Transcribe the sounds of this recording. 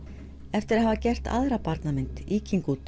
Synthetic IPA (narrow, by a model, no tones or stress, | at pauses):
ɛft̪ɪɾaðɦaːvacɛr̥t̪ʰa̰ðɾapaɾt̪namɪnt̪iːciŋkut̪